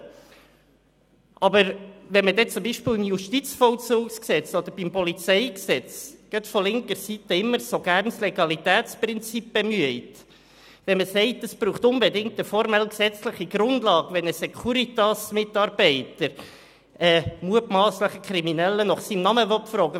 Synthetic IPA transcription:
ʔɑbəɾʋɛnmədɛt͡sʊmbiʃpɪːlimjuʃtit͡sfɔlt͡suːksksɛt͡sɔd̪əɾb̥impɔlit͡sɛɪksɛt͡sɡ̥œtfɔlɪŋkəɾsitəɪmːəɾsoɡæːɾnslɛɡɑlitæːtt͡sprɪnt͡sip̚b̥ɛmyəɪt | ʋɛnməsɛɪtəsb̥ɾuːχt̪ʊnbɛdɪŋk̚təfɔɾmɛlksɛt͡sləχiɡ̥ɾʊndlɑːɡʋɛnəsɛkʰuɾit̪ɑsmɪtɑɾb̥ɛɪtəɾ | ʔɛːmuətmɑːsləχəkχɾiminɛlːənɔχsimnɑməvɔtfɾɔːɡə

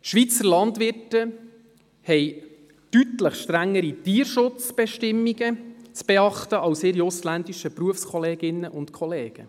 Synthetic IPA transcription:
ʃʋit͡səɾlɑndʋɪrtə | hɛɪ | tytləχʃtɾæŋːəɾitiːəɾʃʊt͡sb̥ɛʃtɪmːiɡət͡sb̥eɑχt̪əʔɑʊsɪɾjoslændiʃəpɾuəfskʰɔleːɡɪnːəʔʊntkʰɔleːɡ̥ə

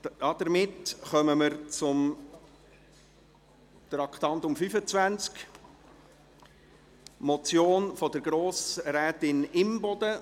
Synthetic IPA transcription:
ɑd̥̪əɾmɪtχœməməɾt͡sʊm | t̪ɾɑkt̪ɑnt̪ʊmfyfət͡svænt͡sk | mɔt͡sjoːnfɔd̪əɾɡɾoːsɾɛːtɪnɪmbɔd̪ə

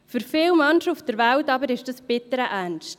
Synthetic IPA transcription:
fyɾfɪːwmɑnʃəufd̥əɾvæltɑbəɾɪʃd̥ɑsb̥ɪtəɾəʔænʃt

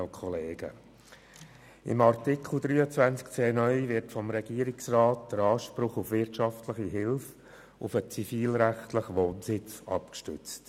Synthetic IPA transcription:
lkʰɔleːɡ̥ə̰ | ɪ̰mɑɾtɪkʰl̩d̪ɾyːət͡svænt͡skt͡seːnœʏvɪɾtfɔmɾɛɡ̥iːɾɪksrɑːt̚d̪̥əɾɑːʃpɾʊχʊfʋɪɾtʃɑftləχiɦɪlf | ʊfət͡sifiːlɾæχtləχʋoːnsɪt͡sɑ̰pkʃtʏt͡st

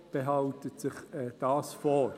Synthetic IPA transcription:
b̥eɦɑʊtətsɪχɛd̥ɑːsfɔ

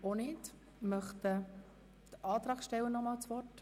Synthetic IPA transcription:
onɪt | mœχt̪ə | d̪̥əʔɑːt̪ɾɑːɡʃtɛwənɔmɑːlt͡sʋɔrt

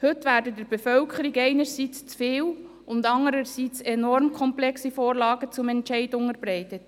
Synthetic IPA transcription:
hʏtʋæːɾdədəɾbefœlkʰəɾiɡɛɪnəɾsiːt͡st͡sfɪːl | ʊndɑŋəɾəɾsiːt͡sɛnɔɾmkʰɔmplɛksifoːɾlɑːɡət͡sʊmɛntt͡ʃɛɪdʊŋəɾb̥ɾɛɪtət

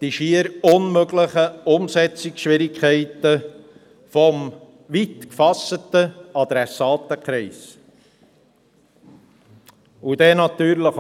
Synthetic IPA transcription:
d̥iʃiəɾʊnmøɡləχəʊmsɛt͡sɪksʃʋɪɾɪkʰɛɪtə | fɔm | vit̪kfɑsətəɑd̪ɾɛsɑːt̪əkʰɾɛɪs | ud̪ɛːnɑt̪yːɾləχ

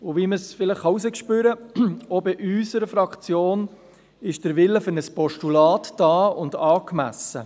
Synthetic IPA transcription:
ʊʋiməsfɪləχχɑus̬əkʃpyːɾəobɪʔysəɾəfɾɑkχt͡sjoːn | ɪʃd̥əɾʋɪlːəfʏɾnəspɔʃtulɑːtd̥ɑːʊndɑːkmæ̰sə

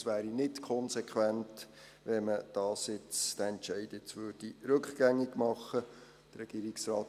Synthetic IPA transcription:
sʋæːɾinɪtkʰɔnsɛkχʋænt | ʋɛməd̥ɑːsɪt͡sd̥æɛntʃɛɪdɪt͡sʋøːd̥iɾɵkχɡ̥æŋːiɡmɑχːə | d̥əɾɛɡ̥iːɾiksɾɑːt

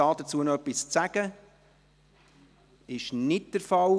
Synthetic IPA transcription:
ɑːd̥ət͡suːənoœpːist͡sæɡ̥ə | ɪʃnɪt̚d̥əɾfɑl

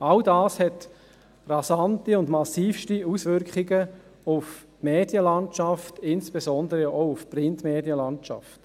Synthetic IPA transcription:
aldaːshɛt | rɑsɑntiʊndmɑsiːfʃtiusʋʏɾkχiɡə | ʊf | meːd̥jəlɑnt͡ʃɑftɪnsb̥esɔndəɾəʔoʊʊfprɪntmeːdjəlɑnt͡ʃɑ̰ft

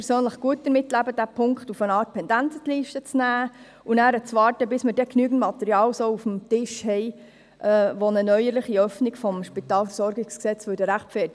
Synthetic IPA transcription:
ɛɾsøːnləχɡ̥uət̚d̥əɾmɪtːlæbəd̥æpʰʊŋktufənɑːɾt̚pʰɛndænt͡sət̪liːʃtət͡snæː | unæːɾət͡sʋɑːɾtəbɪsməɾdɛknyːɡən̩tmɑt̪ɛɾiɑːlsoufm̩t̪ɪʃhɛɪ | ʔɛʋonənœʏəɾləχiœfniɡfɔmʃpit̪ɑːlfəɾsɔɾɡɪksksɛt͡sfʉdəɾæχpfɛːt

